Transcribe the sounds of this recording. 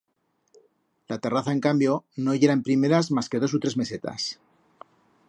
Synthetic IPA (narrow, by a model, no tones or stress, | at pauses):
lat̪e̞raθae̞ŋkambjo̞no̞ʝeɾaempɾime̞ɾazmaske̞ð̞o̞s̬ut̪ɾe̞zme̞se̞t̪a̰s